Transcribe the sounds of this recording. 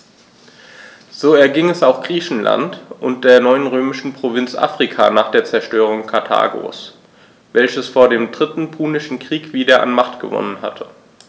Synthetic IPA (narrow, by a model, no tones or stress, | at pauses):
z̥oːɛɐɡɪŋɛsaʊxɡ̥ʁiːçn̩la̰ntʔʊnt̚d̥eːɐnɔʏənʁøːmɪʃn̩pʁ̥ovɪnt͡sʔa̰ːfʁ̥ikʰa̰naːχd̥eːɐt͡sɛɐʃtøːʁ̞ʊŋkʰaɐtʰa̰ːɡo̰ːs | vɛlçəsfoːɐdeːmdʁɪtn̩pʰuːnɪʃn̩kʁ̥iːkv̥iːdɐʔa̰nmaχtɡ̥ə̰vɔ̰nənha̰tʰə